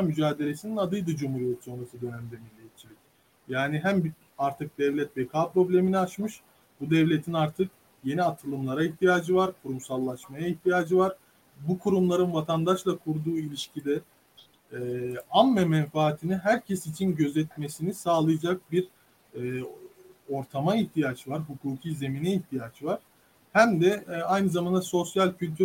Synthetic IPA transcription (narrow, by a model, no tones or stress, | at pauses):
amyd͡ʒaːd̪e̞lʲe̞sininad̪ɯjd̪ɯd͡ʒumhuɾijet̪so̞nɾasɯd̪ø̞næmd̪ɛmilʲːejt̪̚t͡ʃʰːilʲic | jaːniɦæmb | aɾt̪ʰɯk̚d̪ɛvlʲɛt̪vekʰaːpɾo̞blʲe̞miniat͡ʃmɯʃ | bud̪ɛvlʲe̞t̪ʰinaɾt̪ʰɯk̚ | je̞niat̪ʰɯlˠɯmlˠaɾaiçt̪ʰijaːd͡ʒɯvaɾkʰuɾumsalˠːaʃmajaiçt̪ʰijaːd͡ʒɯvaɾ̥ | bukʰuɾumlˠaɾɯnvat̪ʰand̪aʃlˠakʰuɾd̪uːilʲiʃcʰid̪ɛ | amːɛmɛnfaːt̪ʰiniɦæɾcʰesit͡ʃʰinɟø̞zɛt̪me̞sinisaːlˠɯjad͡ʒak̚biɾ | o̞ɾt̪ʰamaiht̪ʰijaːd͡ʒɯvaɾɦukʰuːcʰiːze̞minɛiçt̪ʰijaːd͡ʒɯvaɾ̥ | hæmd̪ɛajnɯzamand̪aso̞sjalʲcʰylʲt̪ʰy